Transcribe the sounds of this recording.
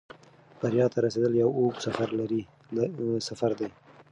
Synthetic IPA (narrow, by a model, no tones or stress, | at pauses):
b̥aɾjɑt̪ʰaɾased̪əljawoksafaɾlaɾi | safaɾd̪aj